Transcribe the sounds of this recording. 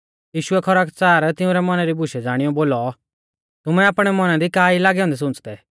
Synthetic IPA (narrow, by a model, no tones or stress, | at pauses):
jiːʃʊɛkʰɔɾakt͡saːɾt̪ɪũɾɛmɐnaɾibʱʊʃɛd͡zaːɽ̃ɪjɔboːlɔ | t̪ʊmɛ̃aːpɽ̃ɛmɐnãd̪ikaːilaːɡɛɦɔ̃ːnd̪ɛs̬ʊ̃nt͡sd̪ɛ